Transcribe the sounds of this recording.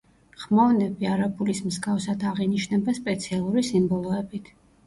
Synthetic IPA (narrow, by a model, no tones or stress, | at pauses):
χmɔnɛbiaɾabulismzɡafsad̪aʁiniʃnɛbaspʼɛt̪sʰialˠuɾisimbɔlˠɔɛbit̪ʰ